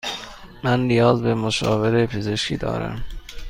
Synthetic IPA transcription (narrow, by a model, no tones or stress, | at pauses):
mænlijɒːzbemoʃɒːve̞ɾepʰezeʃcʰḭːd̪ɒ̰ːɾæ̰m